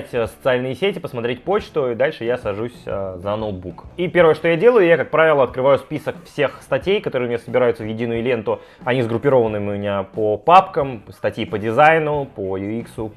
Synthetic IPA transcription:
tʲːsə̥t̪sɨalʲnɨjɪsʲetʲɪpəsmɐt̪ɾʲet̚ʲpo̞t͡ɕt̪ʊid̪alʲʂɨjasɐʐusʲzɐnot̪̚bukipʲe̞ɾvəjəʂt̪o̞jadʲe̞lˠəjʊjakak̚pɾavʲɪlˠəɐt̪̚kɾɨvajʊspʲisəkfsʲe̞xst̪ɐtʲejkɐt̪o̞ɾɨːmʲɪnʲasəbʲɪɾajʊt̪səvjɪdʲinʊjʊlʲe̞nt̪ʊ | ɐnʲizɡɾʊpʲːɪɾo̞vənːɨmʲʊmʲɪnʲapəpapkəmst̪ɐtʲjipədʲɪzajnʊpəjuiksʊ

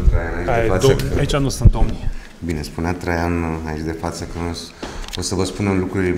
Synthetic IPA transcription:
t̪ɾajanait͡ʃ̪efat̪əait͡ʃanusɨnt̪̚d̪omni | binespuneat̪ɾajanait͡ʃd̪e̞fat̪səkənos | osəvəspunemlukɾuile

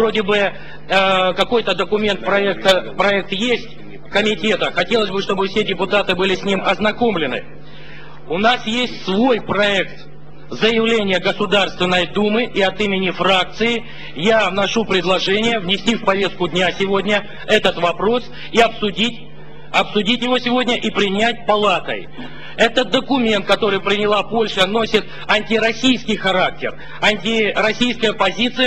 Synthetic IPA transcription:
o̞dʲɪbɨ | kɐko̞jt̪əd̪əkʊmʲe̞nt̪pɾɐɛk̚t̪əpɾɐɛk̚t̪jesʲtʲ | kəmʲɪtʲe̞t̪əxɐtʲe̞lˠəsʲbɨʂt̪o̞bɨfsʲedʲɪpʊt̪at̪ɨbɨlʲɪsʲnʲimɐznɐko̞mlʲɪnɨ̰ | ʊnasjesʲtʲsvo̞jpɾɐɛkt̪ | zəjɪvlʲenʲɪjəɡəsʊd̪arst̪vʲɪnːəjd̪umɨʔiɐt̪imʲɪnʲɪfɾak̚t̪sɨɪ | janɐʂupɾʲɪd̪lˠɐʐɛnʲɪjəvnʲɪsʲtʲifpɐvʲe̞st̪kʊdʲnʲasʲɪvo̞dʲnʲə | ɛt̪ət̪vɐpɾo̞s | iɐpsʊdʲitʲ | ɐpsʊdʲitʲjɪvo̞sʲɪvo̞dʲnʲəʔipɾʲɪnʲæt̚ʲpɐlˠat̪ə̰j | ɛt̪əd̪əkʊmʲent̪̚kɐt̪o̞ɾɨjpɾʲɪnʲɪlˠapo̞lʲʂəno̞sʲɪt̪ | ɐnʲtʲɪɾɐsʲijskʲɪjxɐɾak̚tʲɪr | ɐnʲtʲɪɾɐsʲijskəjəpɐzʲit̪sɨj

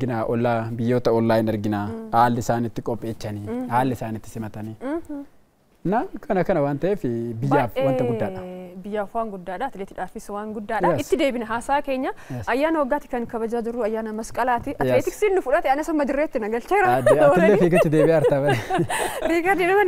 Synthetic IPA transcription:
ɡɪnaːʔɔlːaːbɪjːoːt̪ɐɔlːaːjɪnɐɾɡɪnaːhaːlːɪsaːnɪt̪ːɪkʼɔpʼːe̞ːt͡ʃːɐnihaːlːɪsaːnɪt̪ːɪ̥sɪmɐt̪ɐni | nːakʰɐnɐkɐnɐwaːnt̪ɐʔeːfɪbɪjːaːfwɐnt̪ɐɡʊdːaːɐ̥bɪjːaːfwaːŋɡʊd̪ːaːᶑɐɐt̪ɪleːt̪ɪᶑaːfɪswaːŋɡʊd̪ːaːᶑɐɪt̪ːɪd̪eːbɪnɐɦaːsaːke̞ːɲːɐɐjːaːnɐwɔɡːaːt̪ɪ̥kɐŋkɐbɐd͡ʒaːd͡ʒɪrːuːɐjːaːnɐmɐskʼɐlaːt̪ɪɐt̪ːeːt̪ɪksiːnːʊfʊᶑɐt̪ɛɐnɐsɐmːɐd͡ʒɪrːeːt̪ːɪnɐɡɐlt͡ʃeːɾɐd̪ɐɪlefiːkɪt̪ːɪd̪eːbɪaːɐɾt̪ɐbɐ | ɾiːkɐɾd̪inɐmɐn

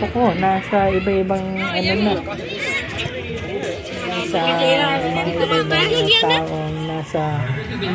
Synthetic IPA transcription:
okonaːsɐʔɪbaʔɪbɐŋɐnomo | nasɐmɐŋaʔɪbaʔɪbaŋɐt̪aːʔoŋnaːsɐ

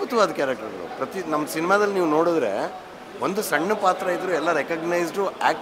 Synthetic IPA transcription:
ut̪ɐʋaːd̪ɐkaːɾɐk̚ʈɐɾnṵpɾɐt̪inɐmːɐsinimaːd̪ɐliniːʋuno̞ːɽid̪ɾḛ | ʔond̪usɐɳːɐpaːt̪ɾɐid̪ɾuɛlːɐɾekɐɡnɐjsɖuaːk̚

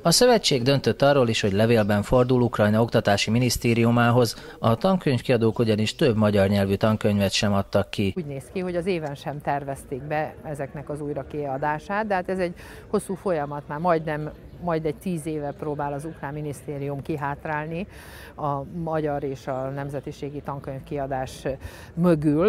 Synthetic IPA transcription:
ɒsøvɛt͡ʃːeːɡd̪ønt̪ø̞t̪ːɒrːoːliʃho̞ɟlɛveːlbɛɱfo̞rd̪ulukrɒjnɒo̞kt̪ɒt̪aːʃiminist̪eːɾiumaːɦo̞zɒt̪ɒŋkøɲfkiɒd̪oːkuɟɒniʃt̪ø̞bmɒɟɒrɲɛlvyt̪ɒŋkøɲvɛt̪ʃɛmɒt̪ːɒkːiuːɟneːskiɦo̞ɟɒzeːvɛnʃɛmt̪ɛrvɛst̪eːɡ̚bɛɛzɛknɛkɒzujɾɒkiɒd̪aːʃaːt̪̚d̪ɛɦaːt̪ɛzɛɟ | ho̞sːuːfo̞jɒmɒt̪maːrmɒjd̪nɛmː | ɒjd̪ɛɟ̚t̪iːzeːvɛproːbaːlɒzukraːmːinist̪eːɾijumkiɦaːt̪raːlni | ɒmɒɟɒɾeːʃɒnɛmzɛt̪iʃeːɡit̪ɒŋkøɲfkiɒd̪aːʃ | mø̞ɡyl

